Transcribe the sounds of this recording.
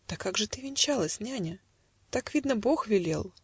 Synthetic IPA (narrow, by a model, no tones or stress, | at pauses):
d̪̥əkaɡʐɨt̪ɨvʲɪnʲt͡ɕalˠəsʲnʲanʲə | t̪akvʲid̪nəboxvʲɪlʲḛlˠ